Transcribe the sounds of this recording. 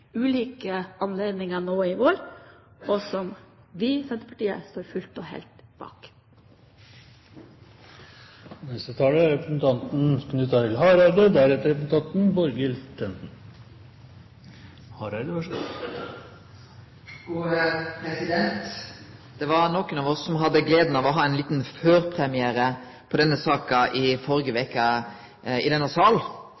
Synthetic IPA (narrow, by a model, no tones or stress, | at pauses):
ʉːliːkəɑnleːd̪nɪŋɑnoːɪʋoːɾ | ɔsɔm | ʋɪsɛnt̪əpʰɑ̥ʈiːə̰st̪oːɾfʉlt̪ɔhɛ̰ːlt̪b̥ɑ̰ːk | nɛst̪ət̪ʰɑːləɾɛpɾsn̩t̪ʰɑnt̪n̩kʰnʉt̪ːɑt̪ʰɪlɦɑːɾɑɪd̪əd̪æɾɛt̪əɾɛpsn̩t̪ʰɑnt̪n̩bɔɾɡɪlt̪ʰɛnt̪n̩ | hɑɾɑɪd̪əɑ | ɡuːpʰɾɛsɪd̪ɛnt̪d̪̥ɛʋɑɾnɔkənɑʋɔsːɔmɦɑd̪ːəɡleːd̪n̩ɑʋɔɦɑːɛnliːt̪nføːɾpʰɾɛmɪæːɾə | pʰɔd̪ɛnːəsɑːkɑʔɪfɔɾɡəʋɛkːɑ | ɪ̰d̪ɛnːɑsɑːl